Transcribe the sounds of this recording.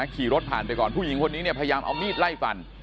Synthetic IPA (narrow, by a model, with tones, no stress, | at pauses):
a˦˥kʰiː˨˩ɾo˦˥t̪̚pʰaː˨˩npa˧jkɔː˨˩npʰuː˥˩ji˨˩˦ŋkʰo˧nːiː˦˥ni˥˩pʰːja˧jaː˧mʔa̰˧wmiː˥˩t̪̚la˥˩jfa˧n